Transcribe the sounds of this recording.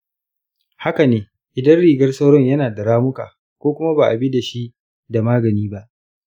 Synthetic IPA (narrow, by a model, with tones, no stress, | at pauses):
ha˦ka˨neː˨ | ʔɪ˨dɐ˦nɽiː˨ɡɐ˦rsa˦wɽɔ˦ɲjɐ˦naː˨dɐ˨ɽaː˦mʊ˦ka̰ː˨ | kʷoː˦kʷʊ˦ma˦ba˨ʔa˨bi˦da˨ʃi˦ʔ | da˨maː˦ɡɐ˨niː˦ba˦ʔ